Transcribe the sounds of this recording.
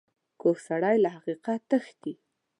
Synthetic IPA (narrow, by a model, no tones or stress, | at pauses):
koxsaɽajlahaqiqat̪əxt̪i